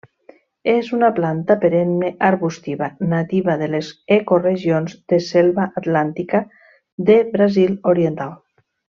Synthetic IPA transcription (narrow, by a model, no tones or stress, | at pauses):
ezunaplant̪apeɾenmeʔaɾβust̪iβanat̪iβaðelezekoreʒionzd̪eselβaʔat̪lant̪ika | ðeβɾaziloɾjent̪alˠ